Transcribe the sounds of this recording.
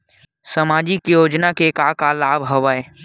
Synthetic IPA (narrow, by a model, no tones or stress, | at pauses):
səmaːd͡ʒikjoːd͡ʒnakekakalaːbɦɐʋae